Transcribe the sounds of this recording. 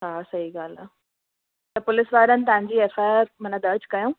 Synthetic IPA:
ɦaːsɐɦiɡaːlaː | t̪ɐpʊlɪsʋaːɾənɪt̪̬ʊɦãɲd͡ʑiːeːfaːjaɾmɐnad̪ɐɾd͡ʑkɐjõː

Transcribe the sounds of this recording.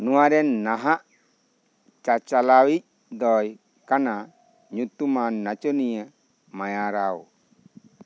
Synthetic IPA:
nuwaɾɛnːaɦaʔ | t͡ʃat͡ʃalawic̚ | d̪ɔj | kana | ɲut̪umanːat͡ʃɔnijə | majaɾaw

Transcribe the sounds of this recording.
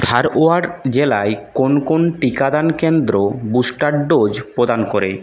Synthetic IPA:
t̪ʰaɾoaɖd͡ʑelaekonkonʈikad̪ankend̪ɾobusʈaɖɖod͡ʑpɾod̪ankoɾḛ

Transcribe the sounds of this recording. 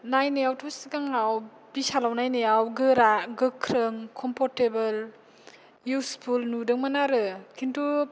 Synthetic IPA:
najneawtʰɔsiɡaŋaw | bisalawnajneawɡɯɾaɡɯkʰɾɯŋkʰɔmpʰɔɾtebɯl | juspʰulnudɯŋmanaɾɯkʰintu

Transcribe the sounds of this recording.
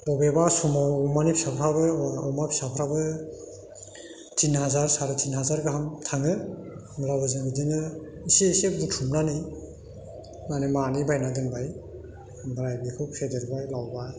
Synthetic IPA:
bɔbebasumamanipʰisapʰɾabɯawmapʰi̥sapʰɾabɯ | tʰinɦazaɾsaɾɯtʰinɦazaɾɡɯɦamtʰaŋɯ | mlabɯzɯdinɯiseseb̚dutʰumnani | manemanibajnaɡɯnbaj | bɾajbikʰɯpsedeɾbajlawba

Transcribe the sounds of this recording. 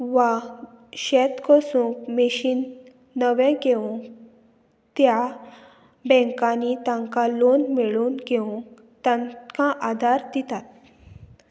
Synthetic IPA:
ʋa | ɕɛt̪kɔsũkmeɕiːnː | əʋɛ̃ɡeũ | t̪ja | bɛ̃ŋkãnit̪ãŋkalonmeɭuːnɡeũ | t̪ãkãʔad̪ʱaɾd̪it̪at̪̚

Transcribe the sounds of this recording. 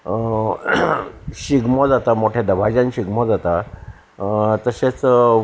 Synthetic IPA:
ɕiɡmod͡zat̪amoʈʰjad̪əbʱad͡ʑãnɕiɡmɔd͡zat̪a | t̪əɕet͡s

